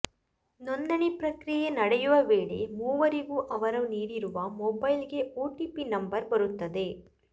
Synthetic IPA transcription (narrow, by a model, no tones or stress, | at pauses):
nɔnd̪ɐɳipɾɐkɾɪjenɐɽɐjɯʋɐʋeːɽḛmuːʋɐɾiɣuʔɐʋɐɾɐʋniːɽiɾɯʋaːmɔbɐɪlɡeʔoːʈiːpinɐmbɐɾbɐɾɯt̪ːɐðeː